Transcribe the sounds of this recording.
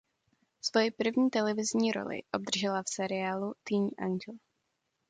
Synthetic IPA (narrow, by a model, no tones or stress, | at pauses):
svo̞jɪpr̩vɲiːt̪ɛlɛvɪzɲiːɾo̰lɪ̰ʔob̚d̪r̩ʒɛlafsɛɾɪaːlut̪iɲʔa̰nɡl